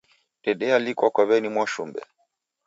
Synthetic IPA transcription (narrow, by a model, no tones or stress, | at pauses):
tɛɗɛalikwakwaβɛnimwɔʃumbɛ̰